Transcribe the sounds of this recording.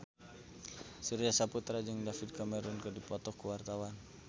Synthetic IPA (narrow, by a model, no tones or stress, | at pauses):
suɾiasaput̪ɾad͡ʒɨŋdafid̪̚kamɛɾunkədipɔt̪ɔkuwart̪awan